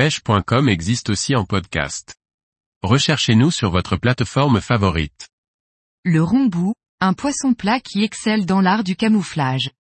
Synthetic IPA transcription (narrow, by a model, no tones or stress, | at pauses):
ɛʃpwɛ̃kɔmɛɡzist̪osiɑ̃pɔd̪kʲa̰st̪ | ʁəʃɛʁʃenusyʁvɔt̪χəplat̪fɔʁmfavɔʁḭt̪ | ləʁɔ̃bu | ɛ̃pwasɔ̃plakʲʰiɛksɛld̪ɑ̃laʁd̪ykamuflaʒ